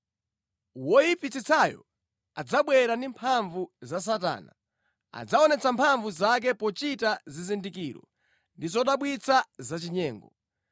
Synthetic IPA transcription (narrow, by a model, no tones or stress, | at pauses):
wɔjipit͡sit͡sʰajɔ̰ | ad͡zaɓwɛɾandimpʰaɱvuzas̬ata̰ːna | a̰d͡zaɔnɛt͡sampʰaɱvuzak̬ɛpɔt͡ʃitazizindikiɾɔ̰ | ndizɔɗaɓwit͡sʰazat͡ʃiɲɛːŋɡɔ